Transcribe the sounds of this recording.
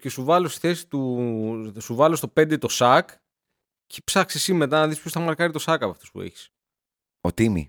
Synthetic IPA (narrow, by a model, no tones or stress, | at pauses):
ce̞suvɐlo̞st̪i̥θe̞si̥t̪u | suvɐlo̞st̪o̞pe̞nd̪e̞t̪o̞sɐk | ce̥psɐksesime̞t̪ɐnɐðispjost̪ɐmɐɾkɐɾit̪o̞sɐkɐpɐft̪o̞spṵḛçi̥s | ot̪imḭ